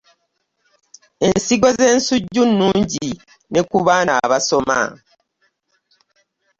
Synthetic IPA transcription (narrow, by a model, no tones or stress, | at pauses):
e̞nsiɡo̞zeːnsuɟːunːuːɲɟi | ne̞kuβaːnaβaso̞ma̰